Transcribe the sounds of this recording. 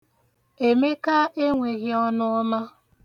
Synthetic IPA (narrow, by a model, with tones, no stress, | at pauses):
e˨me˦ka˦ʔe˦ŋʷe˨ɣɪ˦ɔ˦nʊ˦ɔ˦ma˦